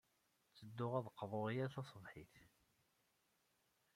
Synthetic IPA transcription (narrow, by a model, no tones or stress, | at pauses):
t͡sːəd̪ːʊʁæðəqːvˤoʁijæθɑsˤəvħiθ